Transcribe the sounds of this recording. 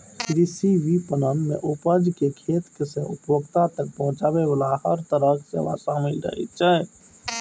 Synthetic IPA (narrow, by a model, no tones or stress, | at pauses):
kʰɾisiʋipənənmḛʔupəd͡ʒkekʰet̪kesẽupbəkt̪at̪ək̚pəɦũt͡ʃabebelaɦəɾt̪əɾəkʰsḛʋa̰samilɾə̰ɦɛ̰t̪̚t͡ʃʰɛ